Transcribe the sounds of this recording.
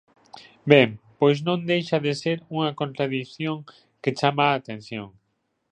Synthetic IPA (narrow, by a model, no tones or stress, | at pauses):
bempojsnõnd̪ejʃaðeseɾuŋakõnt̪ɾaðiθjõŋ | ket͡ʃamaːt̪ẽn̟θjõŋ